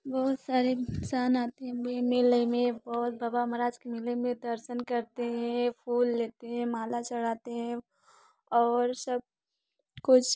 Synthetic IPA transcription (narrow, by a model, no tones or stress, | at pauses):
bɔːt̪saːɾeksaːnaːt̪eɦɛ̃memeːləmẽbɔːt̪̚baːbaməɾaːd͡ʒkemeləmẽd̪ɐɾʃənkɐɾt̪eɦɛ̃pʰuːlːeːt̪eɦɛ̃maːlat͡ʃɐɽ̤aːt̪eɦɛ̃ | ɔːɾsɐb̚ | kʊt͡ʃʰ